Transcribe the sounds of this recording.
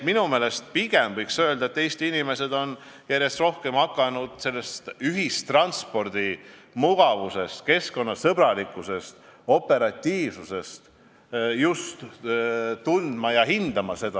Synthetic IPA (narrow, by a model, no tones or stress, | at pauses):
minume̞ːle̞st̪̚piɡ̥e̞mvɤjksø̞e̞ld̪ɑet̪ːejst̪inʲime̞se̞d̪o̞n | jæɾje̞st̪ro̞hke̞mhɑkːˑɑnud̪̥se̞lːe̞st̪yɦist̪ːrɑnspo̞rd̪̥i | muɡ̥ɑvuse̞st̪ke̞sko̞nːɑsɤb̥ɾɑlikːˑuse̞st̪o̞pːe̞ɾɑt̪ʲːiːv̥suse̞st̪ | just̪ | t̪und̪̥mɑjɑɦind̪̥ɑmɑse̞d̪̥ɑ